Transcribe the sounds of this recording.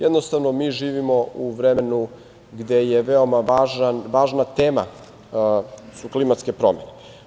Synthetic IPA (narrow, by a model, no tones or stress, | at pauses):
jɛd̪nost̪aʋno̞miːʒiːʋimo̞uʋɾenu | ɡd̪ejeʋeo̞maʋaːʒnanʋaːʒnat̪eːma̰ | suklimat̪ske̞pɾo̞̰mene